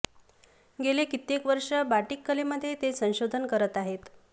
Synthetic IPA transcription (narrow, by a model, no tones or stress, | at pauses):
ɡelekit̪ːekʋəɾʂəbaʈikːəleməd̪ʱːjet̪esə̃w̃ɕod̪ʱənkəɾət̪aɦet̪